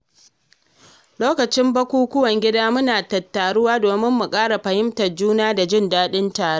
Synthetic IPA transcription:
loː˦kɐ˨t͡ʃɪ˦mbɐ˦kʷuː˦kʷʊ˦wɐ˨ŋɡʲɪ˦daː˦mʊ˦naː˨tɐ˨tːaː˨ɽʊ˦waː˦doː˨mɪ˦mːʊ˨kʼaː˦ɽa˨ɸɐ˨hɪ˦mtɐ˨rd͡ʒuː˦naː˦da˨d͡ʒɪ˦˨ndaː˦ɗɪ˦ntaː˨ɾe˦

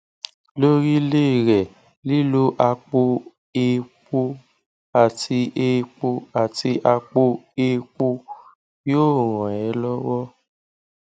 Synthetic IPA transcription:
lo˦ɾi˦le˦˨ɾɛ˨ | li˦lo˦ʔa˧k͡po˦ | e˦˧k͡po˧ | a˨tʰi˧ʔe˧k͡po˧a˨ti˧ʔa˧k͡po˧e˦˧k͡po˧ | joː˦˨ɾ̃ɔ̃˨ɛ˨˦lɔ˦wɔ˦

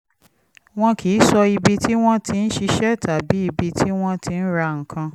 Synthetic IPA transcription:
w̃ɔ̃˦kʰi˨˦sɔ˧i˧bi˧tʰi˦w̃ɔ̃˦tʰi˧n̩˦ʃi˧ʃɛ˦˨tʰa˨bi˨˦i˧bi˧tʰi˦w̃ɔ̃˦tʰi˧n̩˦ɾa˧ŋ̩˨kʰã˧

